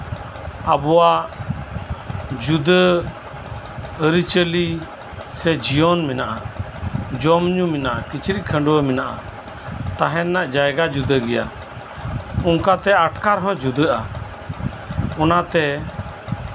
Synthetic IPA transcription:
abɔwa | d͡ʒud̪ə | əɾit͡ʃəli | sɛd͡ʒijɔnmɛnaʔa | d͡ʒɔmɲuminaʔakit͡ʃɾiʔkʰəɳɖwəminaʔa | t̪aɦɛnːaʔd͡ʒajɡad͡ʒud̪əɡɛja̰ | uŋkat̪ɛaʈkaɾɦɔ̃d͡ʒud̪əʔa | ɔnat̪ɛ

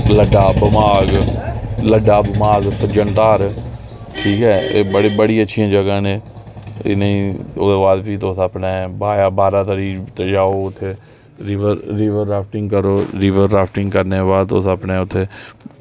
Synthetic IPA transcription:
ləɖaːbəmaːɡ | ləɖaːbəmaːɡsəd͡ʒənt̪aːɾ | ʈʰiːkɦɛːeːbəɽːbəɽiətːʃʰijãːd͡ʒəɡãːnḛ̃ː | nəĩːoːd̪eːbaːd̪piːt̪oːsəpneːbaːjaːbaːɾãːt̪əɾiːt̪ed͡ʒaːoːʊt̪ʰːeː | ɾɪʋəɾɾɪːʋəɾːaːpʰʈɪŋɡkəɾoːɾɪʋəɾːaːpʰʈɪ̃ŋɡkəɾneːbaːd̪o̰ːsəpneʊt̪ʰːeː

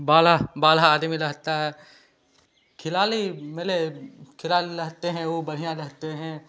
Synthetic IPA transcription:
baːlabaːlaːd̪miɾɐɦt̪aɦɛː | kʰɪlaːlimelekʰɪlaːliɾɐɦt̪eɦɛ̃obɐɽ̤ɪjãɾɐɦt̪eɦɛ̃ː

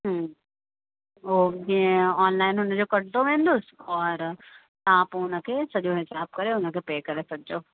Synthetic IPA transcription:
ɦə̃ː | oːd͡ʑĩẽɔːnlaːɪnɦʊnəd͡ʑoːkɐɽʈoʋẽːn̆d̪oːsɪ̥ɔːɾ | t̪ɐãpoʊnə̆kʰeːsɐʄoɦɪsaːb̚kɐɾeʊnə̆kʰeːpeːkɐɾesɐɡʱɪd͡ʑoː

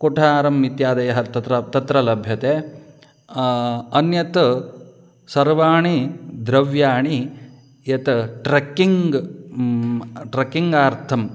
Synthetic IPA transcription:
koʈʰaːɾɐmit̪jaːd̪ɐjɐɦɐt̪ɐt̪ɾɐt̪ɐt̪ɾɐlɐbʱjɐt̪eː | ɐnjɐt̪ | sɐɾʋaːɳid̪ɾɐʋjaːɳi | jɐt̪ʈɾɐkiŋɡ | ʈɾɐkiŋɡaːɾt̪ʰɐm

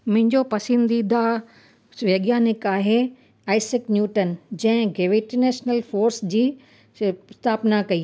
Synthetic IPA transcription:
mɐ̃ɦɪ̃ɲd͡ʑopɐsɪ̃nd̪iːd̪a | ʋeːɡjaːnɪkaːɦe | aːɪsɪknjuːʈənd͡ʑɐ̃ɦɪ̃ɡeːʋeːʈineːʃnəlfoːɾsd͡ʑiː | ɪst̪ʰaːpnakɐiː

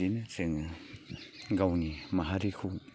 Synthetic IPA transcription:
inɯseŋɯ | ɡawnimaɦaɾikʰu

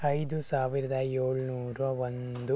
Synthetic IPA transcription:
ɐjd̪usaːʋiɾɐd̪ɐjeːɭunuːɾɐʋondd̪u

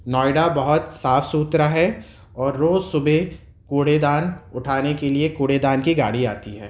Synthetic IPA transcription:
nɔːɪɖabɐɦʊt̪saːfsuːt̪ɾaɦɛ | ɔːɾːoːzsʊbe | koːɽed̪aːnʊʈʰaːnekeliekoːɽed̪aːnkiɡaːɽiaːt̪iɦɛ̰ː

